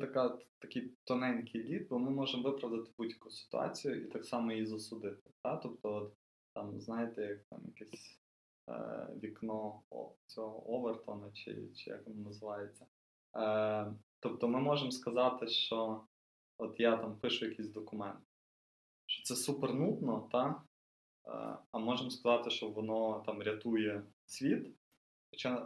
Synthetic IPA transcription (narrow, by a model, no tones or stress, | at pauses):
t̪ɐkɑt̪t̪ɐkʲijt̪ɔnɛnʲkʲʰɪjlʲid̪̚bɔmɪmɔʒemʋɪpɾɐʋd̪ɐt̪ɪ̥budʲjɐkʊsɪ̥t̪ʊ̰ɑ̰t͡sʲijʊʔit̪ɑksɑmɔjizɐsʊd̪ɪt̪ɪ̥t̪ɑt̪ɔpt̪ɔɔt̪ | t̪ɑmznɑjet̪ɛjɐk̚t̪ɑ̰mjɐ̰kɛsʲ | ʋʲiknɔ̰t͡sʲɔɦɔʔɔʋert̪ɔnɐt͡ʃɪ̰t͡ʃɪ̰ja̰kʋɔnɐnɐzɪʋɑjet͡sʲːɐ | t̪ɔp̚t̪ɔmɪmɔʒemskɐzɑt̪ɪʃt͡ʃɔ | ɔt̪jat̪ɑmpɪʃʊjɐkʲisʲd̪ɔkʊmɛnt̪ɪ | ʃt͡ʃɔ̥t̪sɛsupernut̪nɔt̪ɑ̰ | ɐmɔʒemskɐzɑt̪ɪʃt͡ʃɔʋɔnɔt̪ɑmɾʲɐt̪ujɛ | sʲʋʲit̪ | xɔt͡ʃa